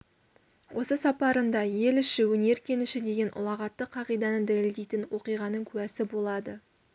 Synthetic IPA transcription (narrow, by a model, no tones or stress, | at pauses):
wʔo̞səsɑpɑɾənd̪ɑje̞lɪʃɪwɵne̞ɾkʲʰe̞nɪʃɪd̪e̞ɡʲe̞nʔʊ̰lˠɑʁɑt̪ːəqʰːɑʁijd̪ɑnəd̪æleld̪e̞jt̪ɪnwo̞qijʁɑnəɴkʲʰʉwæsɪbo̞lˠɑd̪ə